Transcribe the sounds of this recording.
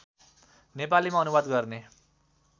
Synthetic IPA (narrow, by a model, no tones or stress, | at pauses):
nep̬alimaʌnubad̪ɡʌrne